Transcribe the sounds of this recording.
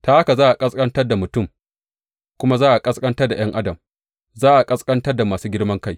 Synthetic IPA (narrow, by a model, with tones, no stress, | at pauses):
taː˦ʔa˦ka˨zaː˦ʔa˨kʼɐ˦skʼɐ˦ntɐ˦rda˨mʊ˨tʊ˦˨m | kʷʊ˦ma˦zaː˦ʔa˨kʼɐ˦skʼɐ˦ntɐ˦rda˨j̰ɐ˦ŋʔa˦dɐ˨m | zaː˦ʔa˨kʼɐ˦skʼɐ˦ntɐ˦rda˨maː˨suː˦ɡʲɪ˦ɽmɐ˦ŋka˦j